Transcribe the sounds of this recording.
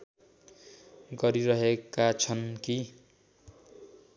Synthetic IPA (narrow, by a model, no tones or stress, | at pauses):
ɡʌɾiɾʌɦekat͡sʰʌnki